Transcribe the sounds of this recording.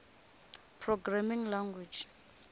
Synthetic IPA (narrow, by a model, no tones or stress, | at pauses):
pʰrɔɡɾamiŋlaŋɡwid͡ʒ